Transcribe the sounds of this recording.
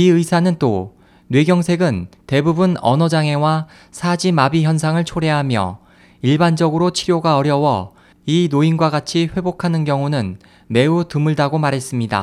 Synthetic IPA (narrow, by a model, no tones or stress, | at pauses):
iɯisʰanɯnt͈o | nwe̞ɡjʌŋsʰe̞ɡɯnte̞bubunʌ̰nʌd͡ʑaŋe̞wa | sʰad͡ʑimabiçjʌnsʰaŋɯɭt͡ɕʰoɾe̞ɦamjʌ̰ | iɭband͡ʑʌɡɯɾot͡ɕʰiɾjoɡaʌɾjʌwʌ | inoinɡwaɡat͡ɕʰiɸwe̞bokʰanɯnkjʌŋunɯn | me̞utɯmuɭdaɡomaɾɦes͈ɯmɲida̰